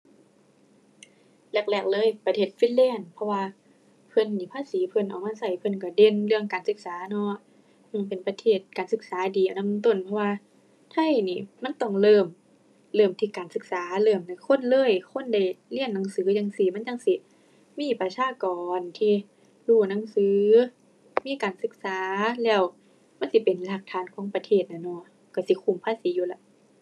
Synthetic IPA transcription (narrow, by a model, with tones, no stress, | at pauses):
lɛ˧˩k̚lɛː˧˩k̚lɤː˧˥˨jpa˧t̪ʰeː˧˩t̪̚fiː˧˥˨lɛː˧˥˩npʰɔ˧waː˧ | pʰɤ˧˥˨nːiː˧˩pʰaː˧˥˨siː˨˦pʰɤ˧˨nʔa˨˩wma˧˥˨sa˧˩jpʰɤ˧˨nka˧˩de˧˨nlɯ˧əŋkaː˨nsɯ˧˦k̚saː˨˦nɔ˧˥ | ʔɯː˧˩pe˨npa˧˦t̪ʰeː˧˩t̪̚kaː˨˩nsɯ˧˦k̚saː˨˦diː˨ʔa˨˩˨na˧˥˨t̪o˧˥˨npʰɔ˧waː˧ | t̪ʰa˧˥˨jniː˧˩ma˧˥˨nt̪ɔ˧˩ŋlɤː˧˩m | lɤː˧˩mt̪ʰiː˧kaː˨˩nsɯ˧˦k̚saː˨˦lɤː˧˩mna˧˩jkʰo˧˥˨nlɤː˧˥˨jkʰo˧˥˨nda˧˩jli˧˨ənːa˨˦ŋsɯː˨˦ja˧˩ŋsi˧˦ma˧˥˨njt͡ɕa˧˥˨ŋsi˧˩ | miː˧˥˨pa˧sʰaː˧˥˨kɔː˨nt̪ʰiː˧ | luː˧˩na˧˥˨ŋsɯː˧˦ | miː˧˥˨kaː˨nsɯ˧˦k̚saː˨˦lɛː˧˩w | ma˧˥˨nsi˧˦pe˨˩nlaː˧˩k̚t̪ʰaː˧˥˨nkʰɔː˨˦ŋpa˧t̪ʰeː˧˩t̪̚na˧˩nɔ˧˥˨ | ka˧˩si˧˦kʰu˧˩˨mpʰaː˧˨si˨˦juː˧la˧˩˦